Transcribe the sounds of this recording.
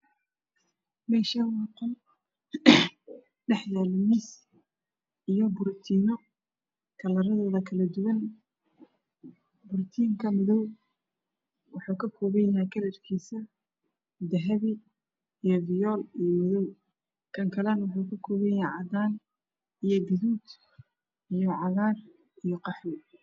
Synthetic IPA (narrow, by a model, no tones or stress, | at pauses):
mɛːʃɐwɑːqɔl | ɖɛħjaːlɪmis | ijɔbʊrt̪ʰiːnɔ | kʰɐlɐɾɐðɔːðɐkʰɐlɐd̪ʊwɐn | bʊrt̪ʰiːŋkʰɐmɪðɔw | wɑħuːkʰɐkʰɔːβɛjakʰɐlɛrkʰiːsɐ | d̪ɐɦɐβɪː | jɔvɪjɔːlijɔmɪðɔw | kʰɐŋkʰɐlɐnwɑħuːkʰɐkʰɔːβɛjaʕɑd̪aːn | ijɔɡɪðuːd̪ | ijɔʕɑɣaːr | ijɔqɑħwɪ